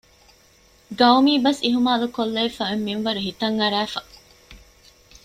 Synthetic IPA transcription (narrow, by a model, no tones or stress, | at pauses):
ɡɐwmiːbɐsiɦumaːlukolːɐifɐemːimʋɐɾuɦit̪ɐŋːɐɾæːfɐ